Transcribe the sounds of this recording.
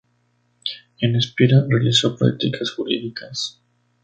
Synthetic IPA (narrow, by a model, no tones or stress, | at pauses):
enespiɾarealiso̞pɾa̰k̚t̪ikʰasxuɾḭðikʰas